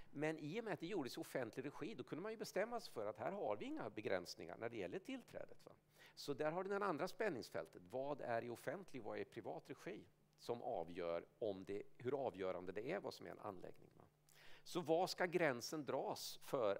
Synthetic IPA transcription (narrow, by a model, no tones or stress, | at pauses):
mɛnʔɪjɔmɛat̪d̪ɛjuːɖəsjʊfɛnt̪ʰlɪɡɾɛɧiːd̪ɔkʰɵnd̪əmanjɵbɛst̪ɛmːasfœɾat̪hæːɾɦaɾvɪɪŋːabɛɡɾɛ̰nsnɪ̰ŋa̰ɳæɖɛjɛlːəʈʰɪlt̪ʰɾɛ̰ːd̪ət̪va̰ | sɔd̪æɾɦaɖɪd̪ɛnand̪ɾaspɛnːɪŋsfɛ̰lt̪ʰət̪vɑːd̪æɾɪʊfɛnt̪ʰlɪɡvaɛpʰɾɪvɑːt̪ɾɛɧiː | sɔmʔɑ̰ːvjœːɾɔmd̪ɛhɵɾɑːvjœːɾand̪əd̪ɛæɾva̰ːsɔmæ̰ɾɛ̰na̰nlɛ̰ɡnɪ̰ŋva̰ | sɔvɑskaɡɾɛnsənd̪ɾɑːsfœɾ